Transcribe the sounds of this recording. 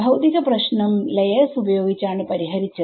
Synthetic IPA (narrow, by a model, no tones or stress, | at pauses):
ɐwt̪iɣɐprɐɕnɐmlɐjeːsubɐjo̞ːɡit͡ɕːaːɳɨpɐɾiɦɐɾit͡ɕːɐ